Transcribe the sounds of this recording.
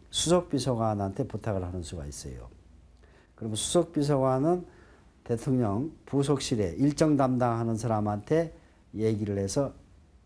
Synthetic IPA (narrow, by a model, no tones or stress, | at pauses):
sʰusʰok̚p͈isʰʌɡwanɦantʰe̞putʰaɡɯɭɦanɯnsʰuɡa̰is͈ʌ̰jo̰ | kɯɾʌmnsʰu̥sʰok̚p͈is̬ʰʌɡwanɯn | te̞tʰoŋɲʌŋpus̬ʰok̚ɕ͈iɾe̞ʔiɭt͡ɕ͈ʌŋdamdaŋɦanɯnsʰaɾamɦantʰe̞ | jeɡiɾɯɭhe̞sʰʌ